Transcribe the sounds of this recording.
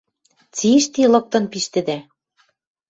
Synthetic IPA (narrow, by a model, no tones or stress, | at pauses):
t͡siʃt̪ilɤ̆k̚t̪ɤ̆npiʃt̪ɘ̆d̪æ